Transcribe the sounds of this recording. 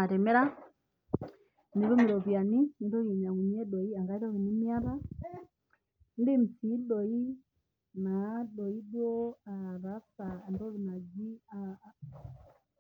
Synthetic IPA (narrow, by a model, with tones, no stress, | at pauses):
a˨tɛ˨mɛ˦ɾa˦ | ni˨βɔ˦mi˨ɾɔ˨pi˨a˨ni˦ni˨dɔ˦ɣi˨ni˨a˨ŋu˨ɲi˦ɛ˦ɗɔ˨i˦a˨ŋɡa˨i˦ɾɔ˦ɣi˨ni˦mi˦a˦βa˦ | n˦di˦m̩˨si˨˦ɗɔ˨i˦ | na˨ɗɔ˨i˦ɗwɔ˦a˨βa˨˦fa˨ndɔ˦βi˨na˨d͡ʒi˦a˨